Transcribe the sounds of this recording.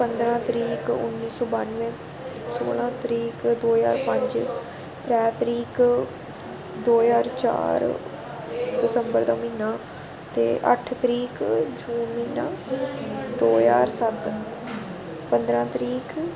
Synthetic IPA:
pənd̪ɾãːt̪ɾiːkʊ̰nːiːsɔːbaːnʋẽː | soːlãːt̪əɾiːkd̪oːja̰ːɾpə̃ɲd͡ʒ | pɾɛːt̪əɾiːk | d̪oːjaːɾt͡ʃa̰ːɾ | ɖɪsəmbəɾd̪aːmiːnãː | t̪ḛːʔə̰ʈʰt̪əɾiːkd͡ʒuːnmiːnãː | d̪oːjaːɾsət̪ | pənd̪ɾãːt̪ɾiːk

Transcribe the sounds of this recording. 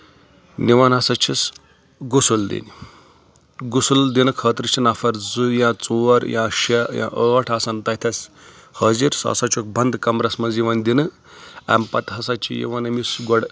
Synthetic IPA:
niʋanɦɐsat͡ʃʰis | ɡusuld̪ḭni | ɡusuld̪inɨkʰəːt̪ɾɨt͡ʃʰinafɐɾd͡zujãt͡suʋɐɾjãʃejã̰ʔəːʈʰaːsant̪ɐɦt̪ʰɐsʲ | həːziɾsa̰ːsat͡ʃʰuk̚bʱɐnd̪kɐmɾɐsmɐnziʋɐnd̪inɨ | ɐ̰mpɐt̪ɦɐsat͡ʃḭjḭʋɐnɐmisɡɔɽ

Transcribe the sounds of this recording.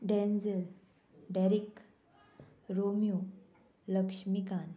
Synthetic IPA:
ɖɛ̃nd͡zəl | ɖɛɾik | ɾomiju | ləkʂmikan

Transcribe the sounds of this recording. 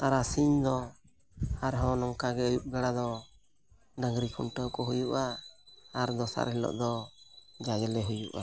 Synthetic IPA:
t̪aɾasiɲd̪ɔ | haɾɦɔ̃nɔŋkaɡɛujuʔ̚ɡaɽad̪ɔ | ɖaŋɡɾikʰunʈəwkɔɦujuʔaː | ɾd̪ɔsa̰ɾɦɛlɔ̰ʔd̪ɔd͡ʒad͡ʒɛlɛɦujṵʔa̰

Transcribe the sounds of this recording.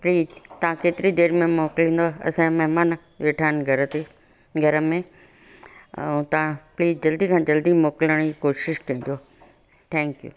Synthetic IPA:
pɾiːt̪ɐʋ̤ãkeːt̪ɪɾid̪eːɾmẽmoːklĩːnd̪oɐ̰sãmɛɦmaːn | ʋeːʈʰaːnɡʱɐɾət̪e | ɡʱɐɾəmẽ | ɛ̃t̪ɐʋ̤ãpliːzd͡ʑɐld̪ikʰãːd͡ʑɐld̪imoːkɪləɽ̃d͡ʑikoːʃɪʃkɐĩːd͡ʑoː | ʈʰɛ̃ːŋkjṵː

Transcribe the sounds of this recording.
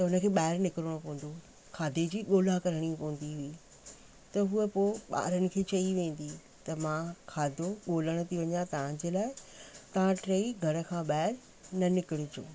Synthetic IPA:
t̪ɐʊnəkʰeːɓaːɦɪɾnɪkɪɾəɽ̃õpɐʋə̃n̆d̪o | kʰaːd̪ʱed͡ʑiːɠoːlakɐɾəɽ̃iũpɐʋə̃n̆d̪iɦuiː | t̪ɐɦuəpoːɓa̰ːɾənɪ̆kʰeːt͡ɕɐiʋẽːn̆d̪i | t̪ɐmãkʰaːd̪ʱoɠoːləɽ̃ə̆t̪ʰiʋɐɲat̪ɐʋ̤ãd͡ʑeːlaːɪt̪ɐʋ̤ãʈɾeːiɡʱɐɾə̆kʰãɓaːɪɾ | nɐnɪkɪɽʊd͡ʑo̰ː

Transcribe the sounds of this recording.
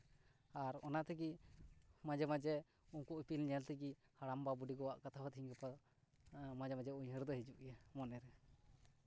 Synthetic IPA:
aɾɔnaʔt̪ɛɡi | mad͡ʒɛmad͡ʒɛ | uŋkuʔipilɲɛjalt̪ɛɡihaɽambabuɖiɡɔwaʔkat̪ʰabat̪ʰiɲkɛpa | mad͡ʒɛmad͡ʒɛuɲɦəɾd̪ɔɦɛd͡ʒuʔjamɔnɛɾɛ

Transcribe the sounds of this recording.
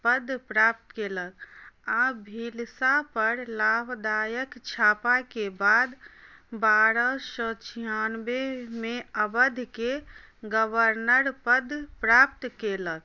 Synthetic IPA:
pəd̪ʱpɾap̚t̪keːləkabʱilsapəɾlabʱd̪aːjəkt͡ʃʰaːpakebaːd̪baɾəsə̃t͡ʃʰiɦanbemẽəbəd̪ʱke | ɡəbəɾnəɾpəd̪ʱpɾap̚t̪keːlək̚

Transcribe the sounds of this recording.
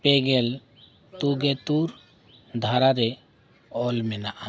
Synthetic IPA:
pɛɡɛl | t̪uɡɛt̪uɾ | d̪ʱaɾaɾɛ | ɔlmɛnaʔa

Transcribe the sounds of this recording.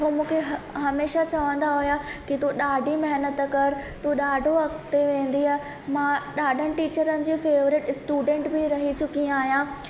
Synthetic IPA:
ɦuːmũːkʰeɦɦɐmeːʃat͡ɕɐʋə̃nd̪aɦʊjakit̪uɗaːɖʱimɐɦnət̪kɐɾt̪uɗaːɖʱoɐkt̪eʋẽːn̆d̪iɐɦ | mãɗaːɖʱənɪ̆ʈiːt͡ɕəɾənɪ̆d͡ʑiːfeːʋɾɪʈsʈuːɖẽːɳʈbɪɾɐɦit͡ɕʊkiaːɦijãː

